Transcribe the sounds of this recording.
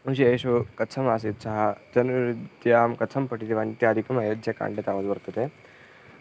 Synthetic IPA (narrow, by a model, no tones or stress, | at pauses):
ɐnʃieːʃukɐtt͡sʰɐmaːsit̪sɐɦɐd͡ʒɐnuɾidd̪jaːmkɐtt͡sʰɐmpɐʈit̪iʋaːnt̪jaːd̪ʱikɐmɐjɐd̪jɐka̰ːɳɖet̪aːʋɐd̪bɐɾt̪ɐt̪e